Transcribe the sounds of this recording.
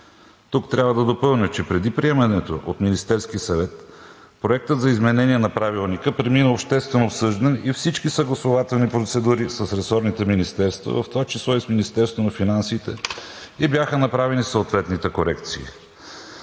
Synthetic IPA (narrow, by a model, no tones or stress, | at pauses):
t̪ukt̪ɾʲabvəd̪ɐd̪opɤlˠnʲit͡ʃɛpɾɛd̪ipɾiɛmɐnɛt̪o̰ʔot̪minist̪ɛɾsk̟isɐvɛt̪ | pɾoɛk̚t̪ət̪zɐizmɛnɛniɛnɐpɾavilˠnikəpɾɛminəopʃt̪ɛst̪vɛnoːpsɤʒd̪ɛnifsit͡ʃkisəɡlˠɐsovat̪ɛlˠnipɾot̪sɛd̪uɾisəsɾɛsɔɾnit̪ɛminist̪ɛɾst̪vɐ̰vɐft̪ovat͡ʃislˠɔisminist̪ɛɾst̪vonɐfinansiːt̪ɛibʲjaxənɐpɾavɛnisooːt̪vɛt̪nit̪ɛkoɾɛkt̪sḭː